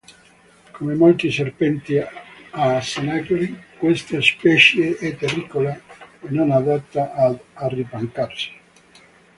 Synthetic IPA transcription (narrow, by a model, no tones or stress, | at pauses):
komemolt̪iserpɛnt̪iasenakoɾikwest̪espɛʃjeʔɛt̪ːerikolenonad̪at̪ːaʔaːripaŋkarsi̥